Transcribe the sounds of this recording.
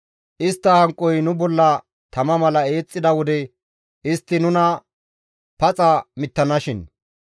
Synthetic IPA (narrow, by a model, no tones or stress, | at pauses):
ʔɪst̪ːɐhɐŋkʼːɔjnʊbɔlːɐ | t̪ɐmɐmɐlɐe̞ːt͡sʼːɪd̪ɐwɔd̪ɛ | ɪst̪ːɪnʊnɐ | pɐt͡sʼɐmɪt̪ːɐnɐʃɪn